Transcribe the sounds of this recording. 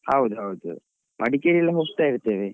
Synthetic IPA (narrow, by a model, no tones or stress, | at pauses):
hɐwud̪uɦɐwud̪ṵ | mʔɐ̰ɽikeɾilːɐɦoːɡt̪aːiɾt̪ːeːʋe